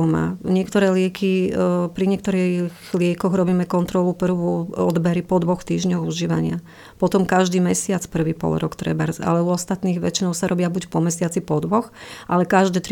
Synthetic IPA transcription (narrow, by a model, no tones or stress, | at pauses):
ma̰ːɲɪɛkt̪ɔɾɛːlɪɛkipɾiɲɪɛk̚t̪ɔɾixlɪɛkɔɣɾɔbiːmɛkɔnt̪ɾɔlupr̩ʋuɔd̪bɛɾipɔd̪ʋɔxt̪iːʒɲɔɣuʒiːʋa̰ɲɪa | pɔt̪ɔmkaʒd̪iːmɛsɪat͡spr̩ʋiːpɔ̰lɾɔ̰kt̪ɾɛ̰baɾza̰lɛuɔst̪at̪niːɣʋɛ̰t͡ʃinɔʊsaɾʔɔbɪabucpɔmɛsɪat͡sipɔd̪ʋɔxʔalɛkaʒd̪ɛːt̪ɾ